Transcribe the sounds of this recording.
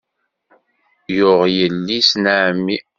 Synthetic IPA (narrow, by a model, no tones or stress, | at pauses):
jʊʁjəlːisnəʕmːi